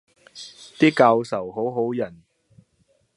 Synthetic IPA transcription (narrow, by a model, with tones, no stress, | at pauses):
t̪iː˥kaː˧wsɐ˨˩wɦo˨˥wɦo˨˥wjɐ˨˩n